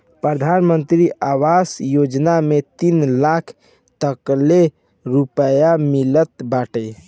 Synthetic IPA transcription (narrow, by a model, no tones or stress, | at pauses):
pɾəd̪ʱanmənt̪ɾiʔawasjod͡ʒnamet̪inlakʰ | t̪əkle | ɾupəjamilət̪baʈe